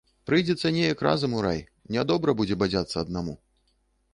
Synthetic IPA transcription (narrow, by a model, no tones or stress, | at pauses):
pɾɨjd͡zʲɛt̪sːɐnʲejɐkra̰zɐmuɾa̰j | nʲad̪ɔbɾɐbud͡zʲɛbad͡zʲat̪sːɐːd̪namu